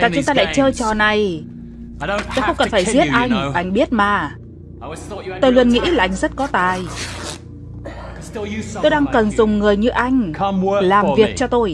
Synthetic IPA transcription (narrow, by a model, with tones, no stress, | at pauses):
za̰ː˨t͡ɕʊ˨˦ŋ͡mt̪aː˧la̰ː˧˨jt͡ɕəː˧t͡ɕɔ˨˩na˨˩j̪ | t̪o˧jxə˧wŋ͡mkə˨˩nfaː˧˩zi˦˥ət̚ʔa˧jŋ̟ʔa˧jŋ̟ɓi˦˥ət̚maː˨˩ | t̪o˧jlu˧ənŋḭ˧˥laː˨˩ʔa˧jŋ̟z̥ə˦˥t̚kɔ˨˦t̪aː˨˩j | t̪o˧jɗaː˧ŋkə˨˩nzʊ˨˩ŋ͡mŋɨ˨˩əjɲɨ˧ʔa˧jŋ̟laː˨˩mvi˨˩ək̚t͡ɕɔ˧t̪o˧j